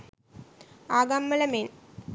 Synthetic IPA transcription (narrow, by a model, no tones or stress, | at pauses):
aːɡamːɐlɐmen